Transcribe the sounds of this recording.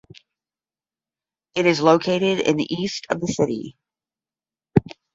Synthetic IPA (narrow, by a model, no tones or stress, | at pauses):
ɨɾɨzloʊkʰeɪɾɪɾɪ̰̃nðḭʔistʰʌvðɨsɪɾḭ